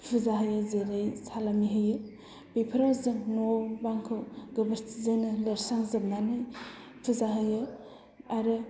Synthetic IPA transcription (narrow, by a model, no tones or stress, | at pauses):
pʰɯzaɦɯjɯzeɾajsalamiɦɯjɯ | bejpʰɾazɯŋnobaŋkʰɯwɡɯbəɾsʰizanɯleɾsaŋzɯb̚nanɯj | pʰɯzaɦɯjɯ | aɾɯ